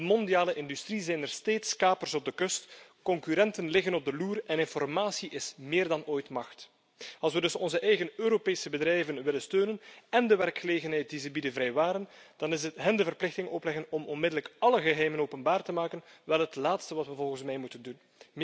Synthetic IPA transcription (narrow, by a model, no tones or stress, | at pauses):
dəmɔndiaːləʔɪndystrizɛjnərsteːtskaːpərsɔb̚dəkɵstkɔŋkyɾɛntənlɪɣənɔb̚dəluːrɛnɪnfɔrmaːsiʔɪsmɪːrdɑnoːjtmɑxt | ɑlˠs̬wədɵsɔnzəʔɛjɣənøːɾopeːsəbədrɛjvənʋɪlənstøːnənɛndəʋɛrkxəleːɣənɦɛjt̚dizɛbidənvɾɛjʋaːɾənd̥ɑnɪsətɦəndəvərplɪxtɪŋɔplɛɣənɔmɔnmɪdələkɑləɣəɦɛjmənoːpənbaːrtəmaːkənʋɛlˠɦətlaːtstəʋɑtʋəvɔlˠɣənsmɛjmutəndun